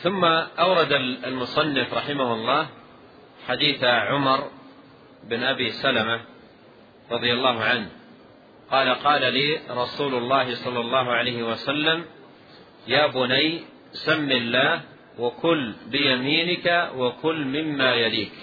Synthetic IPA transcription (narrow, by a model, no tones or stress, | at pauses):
θʊmːaʔawɾˤɑd̪allmʊsˤɑnːɪfɾˤɑħɪmahʊlˤːɑːh | ħad̪iːθaʕʊmɑɾˤ | ɪbɪnʔabiːsalama | ɾˤɑðˤɪjalːɑːɦʊʕanh | qɑːlaqɑːlaliːɾˤɑsuːlʊlːɑːɦɪsˤɑlːɑlˤːɑːɦʊʕalajhɪwasalːam | jaːbʊnaj | samːilːaːh | wakʊlbɪjamiːnɪkawakʊlːmɪmːaːjaliːk